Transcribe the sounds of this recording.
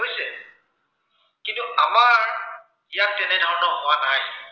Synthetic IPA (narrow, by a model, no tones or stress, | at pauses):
ɦojsɛ | kintuʔamaɹ | ijatːɛnɛdʱaɹnɔmɔwanaj